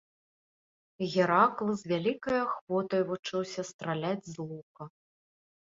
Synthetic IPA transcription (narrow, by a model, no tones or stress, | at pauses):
ɣʲɛɾaklˠɨzʲvʲalʲikɐjɐxvɔt̪ɐjvut͡ʂɨwsʲɐst̪ɾalʲad͡zʲzlˠukɐ